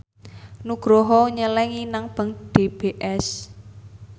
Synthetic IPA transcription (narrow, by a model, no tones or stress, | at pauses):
nuɡ̥ɾɔɦɔɲəlɛŋinaŋb̥a̤ŋɖ̥eb̥eʔɛs